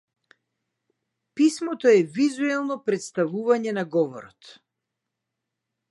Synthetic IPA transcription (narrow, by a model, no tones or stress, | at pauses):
pismɔt̪ɔɛvizuɛlˠnɔpɾɛt̪st̪avuvaɲɛnaɡɔvɔ̰ɾɔt̪